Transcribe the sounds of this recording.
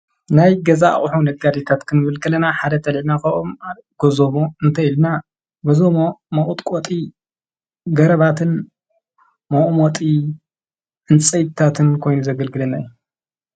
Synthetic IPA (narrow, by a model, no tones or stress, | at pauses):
najɡɐza̰χʼuħunɐɡad̪it̪ʰat̪kʰɨnɨβɨlkʰʼɐlɐnaħad̪ɐt̪ʰɐlʕnakɐoma | ɡ̥ozomoɨnt̪ʰɐjilna | bɐzomomɐʔʼut̪ʼkʼot̪ʼi | ɡɐɾɐβat̪ʰɨn | mɐʔʼmot̪ʼi | ʔɨnt͡sʼɐjt̪ʰːat̪ʰɨnkʰo̞jnuzɐɡɐlɡɨlɐnaju